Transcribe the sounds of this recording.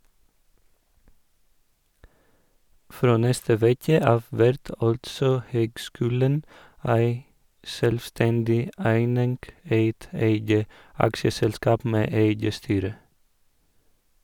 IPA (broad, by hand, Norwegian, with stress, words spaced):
ˈfɾoː ˈnɛstə ˈʋeːkə ˈɑːʋ ˈʋæɾt ˈɑltsɔ ˈhøːɡˌskʉːlən ˈæɪ ˈʃœlʋˌstɛndɪ ˈæɪnɪŋɡ ˈeɪt ˈeɪɡə ˈɑkʃəsɛlˌskɑːp ˈmeː ˈeɪɡə ˈstyːɾə